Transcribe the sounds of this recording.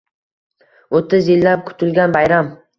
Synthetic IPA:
ot̪ʰːɪzjɪlːap̚kʰʊ̥t̪ʰɪlɡʲanbajɾam

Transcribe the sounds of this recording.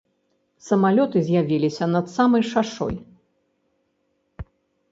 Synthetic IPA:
sɐmalʲɔt̪ɨzʲjavʲilʲisʲɐnɐt̪samɐjʂaʂɔ̰j

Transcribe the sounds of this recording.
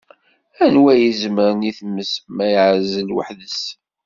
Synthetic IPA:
ænwæjəzməɾniθəmːəsmæjʕzəlwə̰ħðəs

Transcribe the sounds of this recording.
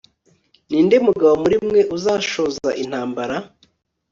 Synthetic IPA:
niːnde̞muɡaβo̞muɾimŋe̞ʔuzaːʃo̞ːzaʔin̥haːmbaɾa

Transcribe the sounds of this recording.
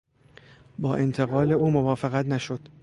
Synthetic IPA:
bɒːʔe̞nt̪ʰeɣɒːle̞uːmovɒːfeɣæt̪næʃod̪̥

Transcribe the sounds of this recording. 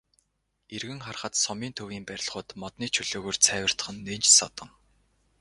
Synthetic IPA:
erɣɘ̆ŋχarχə̆t̪sɔmiːnt̪ʰɵwiːmpæɾʲɪ̆ɮχʊːt̪mɔt̪niːt͡ɕʰɵɮoːɣoːrt͡sʰæːwʲə̆r̥t̪ə̥̆χə̆nːent͡ɕsɔt̪ɞ̆ŋ

